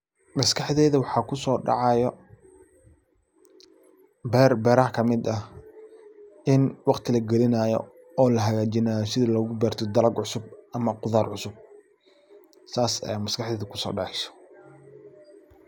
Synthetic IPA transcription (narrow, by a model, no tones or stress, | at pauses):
mɐskɑħðɛːðɐwɑħɑːkʰʊsɔːɖɑ̰ʕɑjɔ | bɛrbɛːɾɐhkʰɐmɪd̪ɐ | ɪnwɑqt̪ʰɪlɐɡɛlɪnaːjɔ̰ | ɔːlɐɦɐɣaːt͡ʃɪnaːjɔsɪðɐlɔɣʊbɛːrt̪ʰɔd̪ɐlɐɡʕʊsʊb̚ʔɐmɐqʊðaːrʕʊsʊb̚ | saːsɛ̰mɐskʰɑħðɛːðɐkʰʊsɔ̰ːɖɑʕɪʃɔ̥